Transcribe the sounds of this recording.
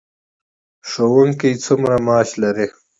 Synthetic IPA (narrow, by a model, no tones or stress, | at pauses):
ʂowɐŋkit͡sʰumɾamaːɕlɐɾe